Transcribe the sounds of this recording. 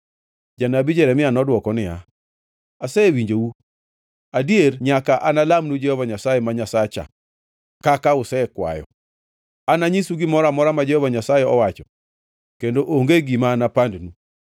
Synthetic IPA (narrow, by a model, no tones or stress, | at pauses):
d͡ʒanabid͡ʒɛɾɛmɪanɔdwɔkɔnɪja̰ | asɛwiɲd͡ʒewu | adierɲakaʔanalamnud͡ʒɛhɔvaɲasajɛmaɲasat͡ʃa̰ | kakaʊsɛkwa̰jɔ̰ | anaɲisuɡɪmɔɾamɔɾamad͡ʒɛhɔvaɲasajɛɔwat͡ʃɔ | kendoʔoŋɡeɡimanapandnu